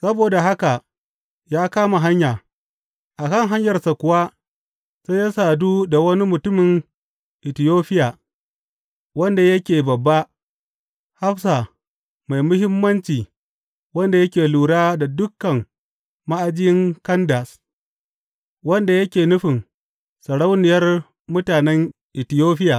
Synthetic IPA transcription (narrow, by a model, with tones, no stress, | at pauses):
sɐ˦boː˨da˨ɦa˦ka˨ | jaː˦kaː˦ma˨ɦa˦ɲjaː˨ | ʔa˨kɐ˦˨ŋɦa˦ɲjɐ˨rsa˨kʷʊ˨wa˦ | sa˦ja˦saː˨duː˦da˨wɐ˦ni˦mʊ˨tʊ˦mɪ˨ŋ | ʔɪ˨tɪ˨joː˦ɸɪ˦jaː˨ | wɐ˦nda˨jɐ˦kʲeː˨bɐ˨bːa˦ | ha˦ɸsa˨ | ma˨jmʊ˦hɪ˦mːɐ˦nt͡ʃiː˨ | wɐ˦nda˨jɐ˦kʲeː˨luː˨ɽaː˦da˨dʊ˦kːɐ˨ŋ | ma˦ʔa˦d͡ʒɪ˦jɪ˦ŋkɐ˦nda˨s | wɐ˦nda˨jɐ˦kʲeː˨nʊ˦ɸɪ˨ŋ | sɐ˨ɽa˦wnɪ˨jɐ˦r | mʊ˦taː˨nɛ˦ŋ | ʔɪ˨tɪ˨joː˦ɸɪ˦jaː˨ʔ